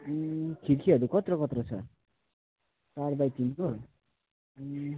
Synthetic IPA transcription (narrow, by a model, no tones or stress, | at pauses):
kʰiɾkʰiɦʌɾukʌt̪rʌkʌt̪rʌt͡sʰʌ | saɾbajtinko